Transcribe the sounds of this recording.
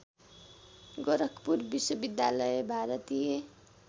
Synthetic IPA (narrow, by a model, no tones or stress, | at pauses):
ɡʌɾʌkʰpuɾbiswʌbid̪ja̰lʌjebʱaɾʌt̪ije